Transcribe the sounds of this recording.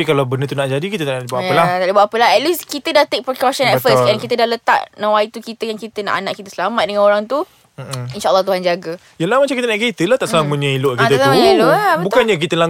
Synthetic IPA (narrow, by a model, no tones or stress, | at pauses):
ikalawbənət̪unaʔd͡ʒadikit̪ət̪aʔbaʔaəlaht̪aʔlibuaʔapəlaɦɛt̪̚liskit̪ədaht̪ek̚pɾikɔʃə̃nɛfəsɛ̃nkit̪ədalət̪a̰ʔnãwait̪ukit̪əjaŋkit̪əna̰ʔanã̰ʔkit̪ə̥səlamat̪̚dəŋãnoɾaŋt̪u | inʃaəlːɔht̪uɦand͡ʒaɡə | jalahmat͡ʃamŋkit̪ənaʔket̪əlaht̪aʔsəaməɲə̃ilʊʔkkit̪əməɲəiloabətbukanɲak̬it̪əla